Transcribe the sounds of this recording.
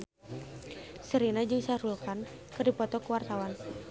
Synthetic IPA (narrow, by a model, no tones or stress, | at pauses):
səɾinad͡ʒɨŋsaɾulkankɨrdipɔt̪ɔkəwart̪awan